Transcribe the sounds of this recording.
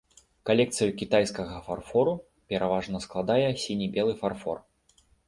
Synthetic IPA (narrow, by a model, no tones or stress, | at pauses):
kalʲɛk̚t̪sɨjukʲit̪ajskɐɣɐfarfɔɾu | pʲɛɾʔavaʐnɐsklˠad̪ajɛsʲinʲibʲɛlˠɨfarfɔ̰r